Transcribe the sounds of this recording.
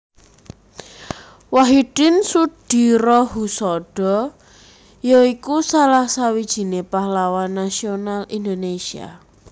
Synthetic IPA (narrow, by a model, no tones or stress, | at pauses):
waɦiɖ̥ɪnsud̥i̤ɾɔɦusɔɖ̥ɔ̤ | joikusalahsawid̥ʒ̥i̤nepahlawanːasionalind̪onesia̰